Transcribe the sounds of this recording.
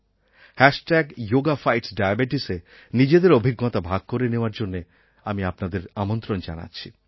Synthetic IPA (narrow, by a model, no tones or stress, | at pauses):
hɛʃʈɛɡjoɡafajʈsɖajabeʈise | nid͡ʑed̪eɾobʱiɡːɔt̪abʱaɡ̚koɾeneoaɾd͡ʑonːe | amiapnad̪eɾamont̪ɾond͡ʒa̰na̰tːɕʰi